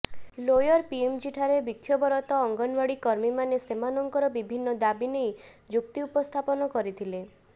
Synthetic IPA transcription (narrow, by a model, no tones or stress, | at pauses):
lojɔɾpiemt͡ʃiʈʰaɾebik̪ʰjɔbɔɾɔt̪ɔɔŋɡɔnbaɽikɔɾmimanesemanɔŋkɔɾɔbibʱinːɔd̪abinej | d͡ʒuk̚t̪iupɔst̪ʰapɔnɔkɔɾit̪ʰile